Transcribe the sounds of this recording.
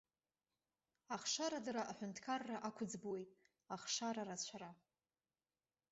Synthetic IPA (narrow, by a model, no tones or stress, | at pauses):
aχʂaɾadaɾaʔaħʷᶣʊntʰkʰarːaʔakʷʰʊd͡zbuwejtʼ | aχʂaɾaɾat͡ɕʷʰaɾa